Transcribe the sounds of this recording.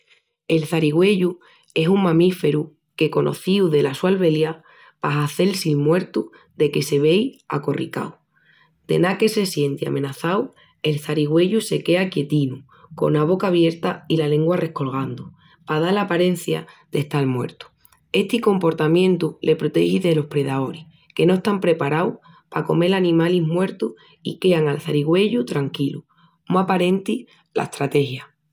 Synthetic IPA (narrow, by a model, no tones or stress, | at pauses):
e̞lθaɾiɣwe̞ʎu | e̞suŋmãmife̞ɾu | ke̞ko̞nʔo̞̰θiwðe̞laswalβe̞lja | paɦaθe̞lsilmwe̞ɾt̪u | ðe̞ke̞se̞β̞e̞ja̰ko̞rḭka̰w | d̪̥e̞̰nake̞se̞sje̞nt̪ia̰mẽ̞naθaw | e̞lθaɾiɣwe̞ʎuse̞ke̞akje̞t̪inu | ko̞̰naβo̞kaβ̞je̞ɾt̪ailale̞ŋɡware̞hko̞lɣ̞and̪u | pað̞alapaɾe̞n̟θja̰d̪eht̪almwe̞̰ɾt̪u̥ | e̞ht̪iko̞mpo̞ɾt̪amjẽ̞nt̪ulʔe̞pɾot̪e̞̰hiðe̞lo̞hpɾe̞ðao̞ɾih | ke̞no̞est̪ampɾe̞paɾaw | pako̞̰me̞lanĩmaliɦmwe̞ɾt̪uh | ḭke̞aŋalθaɾiɣwe̞ʎut̪ɾaŋkilu | moapaɾe̞nt̪i | la̰eht̪ɾat̪e̞hja